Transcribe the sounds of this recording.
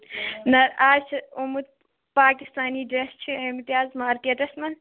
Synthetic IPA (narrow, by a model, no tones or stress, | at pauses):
nɐɾaːt͡ʃʰɐumud̪̚ | paːkist̪aːniːɖɐst͡ʃʰiimt̪ijaːzmaːɾkeːʈɐsmɐn